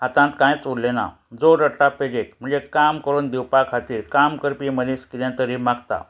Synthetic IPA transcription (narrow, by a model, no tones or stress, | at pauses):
ɦat̪ãnt̪kãjt͡suɽlena̰ | d͡zoɾəʈaped͡ʑek̚m̤əɳd͡zekamkəɾuːnd̪iwpakʰat̪iːɾkamkəɾpim̤əd̪ʱẽskilãt̪əɾimaɡt̪a̰